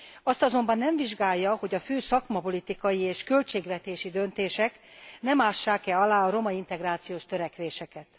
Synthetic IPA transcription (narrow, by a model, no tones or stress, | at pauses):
ɒst̪ɒzo̞mbɒnːɛɱviʒɡaːjːɒho̞ɟɒføːsɒkmɒpo̞lit̪ikɒjieːʃkø̞lt͡ʃeːɡʋɛt̪eːʃid̪ø̞nt̪eːʃɛknɛmaːʃːaːkɛɒlaːɒɾo̞mɒint̪ɛɡraːt̪sijoːʃt̪øɾɛkʋeːʃɛkɛt̪